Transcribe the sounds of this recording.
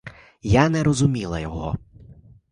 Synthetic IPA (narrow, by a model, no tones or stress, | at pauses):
janɛɾɔzʊmʲilˠɐjɔɦɔ̰